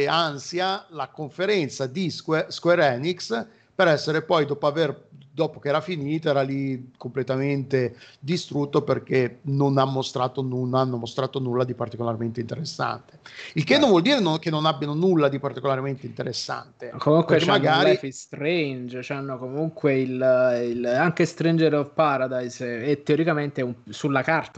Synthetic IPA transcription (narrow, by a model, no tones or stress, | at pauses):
ansjalakoɱfeɾɛnt̪sad̪iseskweɾɛniks | peɾɛsːeɾepɔjd̪ɔːpoaverd̪ɔːpokeɛːɾafiniːt̪oɛːɾalikomplet̪ament̪ed̪ist̪ɾut̪ːoperk̟enonamːost̪ɾaːt̪onunanːomost̪ɾaːt̪onulːad̪ipart̪ikolarment̪eint̪eɾesːa̰nt̪e̥ilkenːõɱvɔld̪iːɾenokenːonabːjanonulːad̪ipart̪ikolaɾment̪eint̪eɾesːa̰nt̪ekomuŋkwket͡ʃːemaɡaːɾiɛfist̪ɾend͡ʒt͡ʃanːokomuŋkweililaŋkest̪ɾind͡ʒeɾovpaːɾad̪ajsɛt̪ːeoɾikament̪eumsulːakart̪